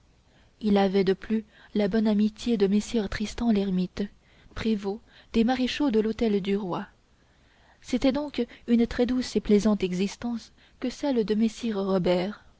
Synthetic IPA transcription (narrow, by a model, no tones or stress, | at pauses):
ilavɛd̪əply | labɔnamit̪jed̪əmesiʁt̪χist̪ɑ̃lɛʁmit̪ | pχevo | d̪̥emaʁeʃod̪əlot̪ɛld̪yʁwa | set̪ɛd̪ɔ̃kynt̪χɛd̪useplɛzɑ̃t̪ɛɡzist̪ɑ̃s | kəsɛld̪əmesiʁʁɔbɛːʁ